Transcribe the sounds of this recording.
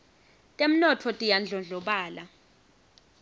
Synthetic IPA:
tʼem̩nɔtʰɔtʼijand͡ɮʱɔnd͡ɮʱɔɓaːla

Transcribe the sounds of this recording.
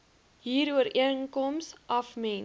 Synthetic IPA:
ɦiːɾuəɾʔiəŋkɔmsʔɐfmɛn

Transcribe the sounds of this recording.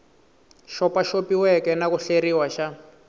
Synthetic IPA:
ʃɔpaʃopiwɛkɛnakuɬeɾiwaʃa

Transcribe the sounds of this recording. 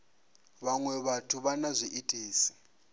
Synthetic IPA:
βaŋwɛβatʰuβanazʷiʔitʰʼiːsi̥

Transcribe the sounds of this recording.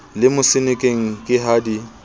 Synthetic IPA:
lɪmʊsɪnɪkʼeŋ̩kʼɪɦaːdi

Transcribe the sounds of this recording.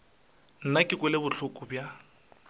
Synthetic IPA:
n̩nakʼɪkʼʊlɪbʊɬʰʊkʼʊbja

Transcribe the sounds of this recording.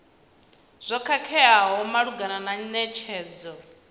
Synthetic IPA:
z̥ʷɔkʰakʰɛaɦɔmaɺuɡanananɛt͡ʃʰɛːd͡zɔ

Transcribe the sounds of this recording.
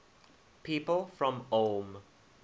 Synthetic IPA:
pʰiːpəlˠfɹɔ̃mom

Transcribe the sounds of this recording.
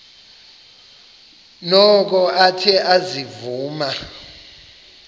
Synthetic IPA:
nɔk̬ɔʔatʰɛʔazivuːma

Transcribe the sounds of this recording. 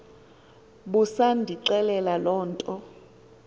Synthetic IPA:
ɓusandʱiǀɛlɛlalɔːntʼɔ

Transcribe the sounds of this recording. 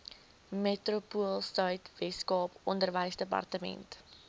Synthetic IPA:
metrupuəlˠsœɥtvɛskɑːpɔndərvəjsdəpɐ̰rtəmɛ̰nt

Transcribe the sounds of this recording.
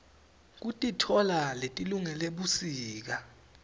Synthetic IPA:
k̬utʼitʰɔlaletʼiluŋɛleɓusiːk̬a

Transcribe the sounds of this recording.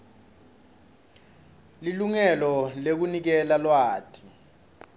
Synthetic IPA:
liluŋɛlɔlek̬unik̬ɛlalwaːtʰʼi̥

